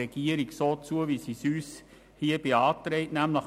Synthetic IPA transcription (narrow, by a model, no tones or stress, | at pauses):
ɛɡ̥iəɾiɡsoːt͡suəʋisisyːs | hiːəb̥iɑːt̪ɾɛɪtnæmləχ